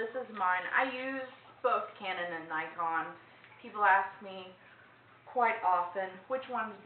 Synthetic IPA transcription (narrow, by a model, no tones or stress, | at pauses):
ɪsɨzmãɪ̃na̰ɪjʉzb̥ʊkkʰæ̃nɨ̃nɨ̃nːaɪkʰɑ̃nz̥ | pʰipl̩ˠæsk̚mi | kʰw̥aɪɾɑfɨ̃nwɨt͡ʃwʌ̃nzb